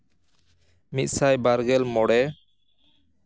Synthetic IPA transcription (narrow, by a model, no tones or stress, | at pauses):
mit̪̚ˀsajbaɾɡɛlmɔɽɛ